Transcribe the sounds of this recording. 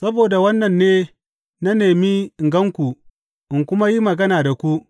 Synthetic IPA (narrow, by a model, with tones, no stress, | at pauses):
sɐ˦boː˨da˨wɐ˦nːɐ˨nːeː˦ | na˦neː˨mi˦ɪ˨ŋɡɐ˦ŋkʷu˨ | ʔɪ˨ŋkʷʊ˦ma˦ji˦mɐ˨ɡɐ˦naː˨da˨kʷu˦ʔ